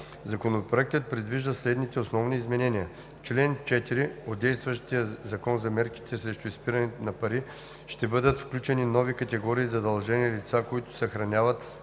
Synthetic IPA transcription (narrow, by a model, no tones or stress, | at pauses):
zɐkonopɾoɛk̚t̪ət̪̚pɾɛd̪viʒd̪əslɛd̪nit̪ɛosnɔvniːzmɛnɛniə | t͡ʃlɛnt͡ʃɛt̪iɾiod̪d̪ɛjst̪vɐʃt̪ijəzɐkɔnzɐmɛɾki̥t̪ʰɛsɾɛʃt̪ʊispiɾɐnɛt̪ɛnɐpɐɾi | ʃt̪ɛbɤd̪ət̪fklʲut͡ʃɛninɔvikɐt̪ɛɡɔɾiːzɐd̪ɐlˠʒɛniəlit̪sakoit̪ʊ̥sɛxɾɐnʲavɐt̪